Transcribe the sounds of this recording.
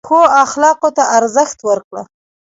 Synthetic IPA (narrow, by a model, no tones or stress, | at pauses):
xoaxlɑqot̪aʔaɾzəxt̪wəɾkɽə̰